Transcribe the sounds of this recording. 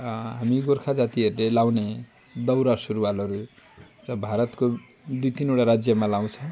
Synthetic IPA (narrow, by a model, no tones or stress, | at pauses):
ɦamiɡorkʰad͡zat̪iʌɾulelaw̃ne | d̪ʌwɾasuɾuwalʌɾu | rʌbʱaɾʌt̪ko | d̪ujt̪ineʈaɾad͡zjʌmalaw̃t͡sʰʌ̃w̃